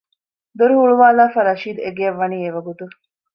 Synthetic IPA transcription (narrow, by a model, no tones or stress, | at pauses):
d̪oɾuɦuɭuʋaːlaːfɐɾɐʃiːd̪eɡeɐʋːɐniːeʋɐɡut̪u